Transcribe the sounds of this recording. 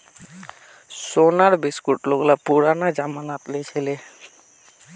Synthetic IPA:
sonaɾbiskuʈloɡlapuɾanad͡ʑamanat̪let͡ɕʰele

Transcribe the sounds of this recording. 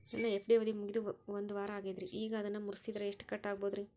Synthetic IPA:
ḛːnːaːɛpːɐɽɪjʋɐðimʊɣɪðɯ̃ʋɐnd̪ɯʋaːɾɐaːɣɐðɪɾiʔiːɣɐːðɛnːaːmʊɾɯsiðɪɾɐɛʂʈːɯ̥kɐʈːaːɣɐpoːðɯɾĩ

